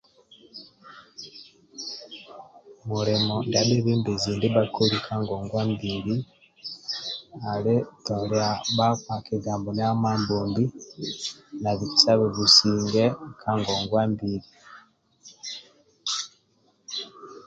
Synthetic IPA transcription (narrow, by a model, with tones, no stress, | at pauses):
mu˨ɾe˨mɔ˨nda˨ɗi˦βiː˦mbe˨zi˨ndi˦βa˦ko˦li˦kʰa˦ŋɡɔ˨ŋɡwa˦mbiɾi˦ | a˨le˦tɔ˨le˦a˨βa˦ka˨ki˨ɡaː˨mbo˨n˦a˦maː˦mboːmbi˦ | na˨βi˨t͡sa˦βe˨βu˨siː˨ŋɡɛ˦kʰa˦ŋɡɔː˨ŋɡwa˦mbiɾi